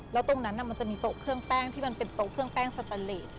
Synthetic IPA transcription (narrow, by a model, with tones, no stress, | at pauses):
lɛː˦˥wt̪o˧ŋna˦˥nːa˧˩ma˧nt͡ɕa˨˩ʔmiː˧t̪o˨˩kʰɯ˥˩əŋp̪ɛː˥˩ŋt̪ʰiː˥˩ma˧npe˧nt̪o˨˩kʰːɯ˥˩əŋpɛː˥˩ŋsa˧t̪a˧leː˨˩t̪̚